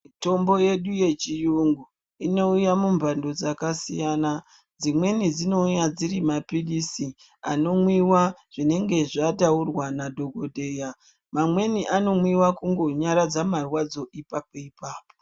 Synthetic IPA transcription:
mito̞mbo̞je̞ɗuje̞t͡ʃijuŋɡu | ino̞ujamumbʱando̞d͡zakasijana | d͡zimwe̞nid͡zino̞ujad͡ziɾimapilisi | a̰no̞mwiwaʐ̥ine̞ŋɡe̞ʐataurwanadʱo̞ɡʱo̞dʱe̞ːja | mamwe̞niʔano̞mwiwakuŋɡo̞ɲaɾad͡zamarwad͡zo̞ʔipapoipaːpo

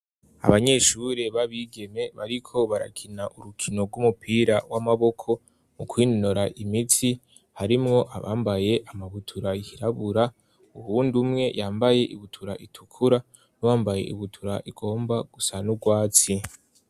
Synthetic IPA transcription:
a̰βaɲe̞ʃuɾe̞βaβiːɡe̞me̞βa̰ɾikʰo̞βaɾa̰kʰinaʔuɾukʰino̞ɾɡwumupʰiːɾawamaβo̞kʰo̞ | mukwiːnnoɾaʔimitʰi | haɾimŋo̞ʔaβa̰ːmbaje̞ʔamaβutʰuɾaihiɾaβuɾa | uhuːndumŋe̞jʔaːmbaje̞ʔiβutʰuɾaʔitʰu̥kʰuɾa | nuwaːmbaje̞̰ʔiβutʰuɾaʔiɡo̞ːmbaɡ̥usanuɡwaːt͡si

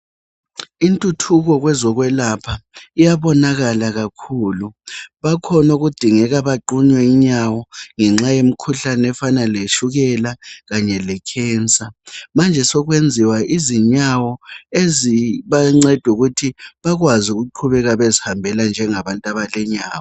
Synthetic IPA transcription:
intʼutʰuɣɔɣwɛzɔɣwɛlapʰaijaβɔnaɣalaɣakʰuːluβakʰɔnoɣud̥ʱiŋɛɣaβaǃuɲwɛiɲawɔŋɛŋ͡ǁajem̩kʰuɬanɛfanaleʃuɣɛlaɣaɲɛlɛkʰɛːnt͡sʼamand͡ʒʱɛsɔɣwend͡zʱiwaʔiziɲawɔeziβaŋ͡ǀɛd̥ʱuɣutʰiβaɣwazuɣuǃʰuβɛɣaβezihambʱɛland͡ʒʱɛŋaβantʼaβalɛɲaːwɔ

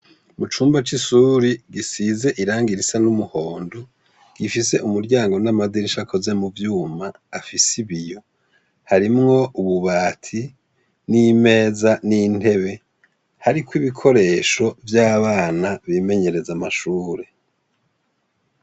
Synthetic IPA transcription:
mut͡ʃuːmbat͡ʃisuɾiɡisize̞ʔiɾaːŋɡiɾisanumuho̞ːndo | ɡ̥ifise̞ʔumuɾɟaːŋɡo̞namadiɾiʃakʰo̞ze̞muvjuːmaːfisiβijo̞ | haɾimŋo̞uβuβaːtʰi | nime̞ːzanin̥e̞βe̞ | haɾikwiβikʰo̞ɾe̞ːʃo̞vjaːβaːnaβime̞ɲe̞ɾe̞zamaʃuːɾe̞

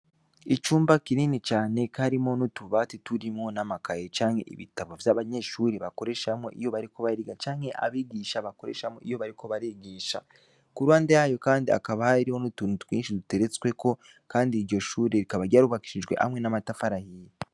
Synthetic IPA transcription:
it͡ʃuːmbakininit͡ʃaːne̞kaɾimo̞nutuβatituɾimŋonamakajet͡ʃaːŋhe̞̰ʔḭβḭtaβovjaβaɲe̞ʃuːɾeβako̞ɾe̞ʃamŋo̞̰ʔijo̞βaɾiko̞βaɾiɡat͡ʃaːŋhe̞ʔa̰βiːɡiːʃaβako̞ɾe̞̰ʃamo̰ʔijo̞βaɾiko̞βaɾeɡiːʃa̰ | kuɾwaːndejajo̞kaːndia̰kaβahiɾiho̞nutuntwḭːnʃidute̞ɾet͡swe̞ko̞ | kaːndiːɾɟo̞ʃuːɾeɾikaβaɾɟaɾuβaki̥ʃiʒɡwe̞̰ʔa̰mwe̞namatafaɾahije

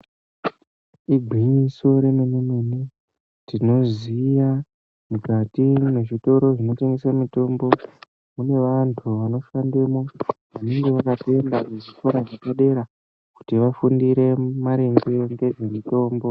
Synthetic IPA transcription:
iɡʱiɲiso̞ɾe̞memimune | tino̞zija | mukatime̞ʐito̞ɾo̞ʐino̞te̞ŋɡe̞samito̞mbo̞ | mune̞ʋantʰuʋano̞ʃandemoʋane̞ŋɡe̞ʋakatembakeʐikoɾaʐakaɗe̞ɾa | ku̥tiʋafundiɾe̞maɾeŋɡe̞ŋɡe̞ʐe̞mito̞ːmbo̞

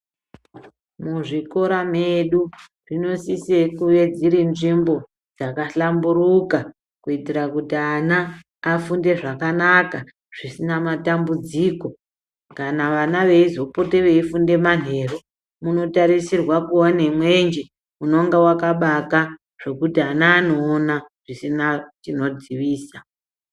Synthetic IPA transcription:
muʐiko̞ɾameɗu | ʐino̞sisekuʋed͡ziɾinʐimbo̞ | d͡zakaɬamburuka | kuitirakutianaː | funde̞ʐakanaka | ʐ̥isinamatambud͡ziːko̞ | kanaʋanaʋe̞izo̞pote̞ʋe̞ifunde̞manɦe̞ːro | muno̞taɾisirwakuonemwe̞nd͡ʒe | muno̞ŋɡawakaɓaka | ʐ̥e̞kutianaːno̞ːnaʐ̥isinat͡ʃino̞d͡ziʋiːsa

